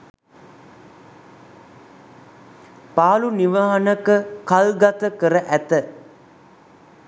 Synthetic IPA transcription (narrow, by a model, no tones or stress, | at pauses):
paːluniʋaɦanəkəkalɡat̪əkəɾəʔæt̪ə